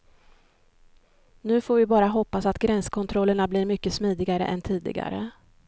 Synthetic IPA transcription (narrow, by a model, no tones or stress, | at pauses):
nʉ̟ːfoːɾvɪbɑːɾaɦɔpːasat̪ɡɾɛnskʰɔnt̪ʰɾɔlːəɳablɪɾmʏkːəsmiːd̪ɪɡaɾə̰ʔɛ̰nt̪ʰiːd̪ɪ̰ɡa̰ɾə̰